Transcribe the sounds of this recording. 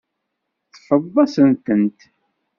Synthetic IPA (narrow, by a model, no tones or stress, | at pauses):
θfəðˤːɑsənt̪ənt̪